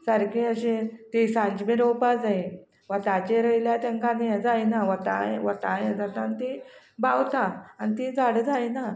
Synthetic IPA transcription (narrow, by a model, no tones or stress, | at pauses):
səɾkĩəɕẽt̪isãɲd͡ʑmiɾowpad͡zai | ʋat̪at͡ɕeɾəjljat̪ãŋkanijãd͡zajnaʋat̪a̰ʋət̪ajãd͡zat̪aːnit̪i | bawt̪aanit̪id͡zaɽd͡zajna